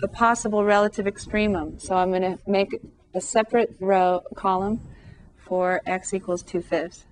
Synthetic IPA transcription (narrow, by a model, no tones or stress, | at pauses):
əpʰɑsəbl̩ˠɹɛlˠəɾɨvɨkstɹ̥ĩmə̃msoʊãɪ̃mɡʌñɨmeɪk | ɨsɛpɹɨt̚ɹoʊkʰɑlˠə̃ɱ | fə˞ʔɛksikwl̩ˠz̥tʰʉfɪfs